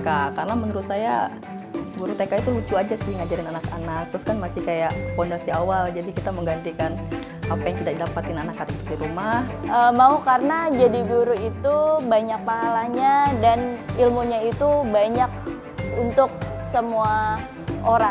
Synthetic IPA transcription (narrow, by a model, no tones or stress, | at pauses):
kakarnamənəɾʊt̪saja̰ | ɡuɾut̪ekait̪ulut͡ʃuad͡ʒasɪŋad͡ʒaɾɪnanakanak̚t̪ɾʊskanmasɪhkajaʔfɔndasiawald͡ʒadikit̪aməŋɡant̪ikan | apajaŋkidaʔdapat̪ɪnanakːatak̚t̪uk̚diɾumahəmaukarənad͡ʒadiɡuɾuit̪ubaɲak̚paɦalaɲadanilmuɲait̪ubaɲak̚ | unt̪ʊk̚səmua | oɾa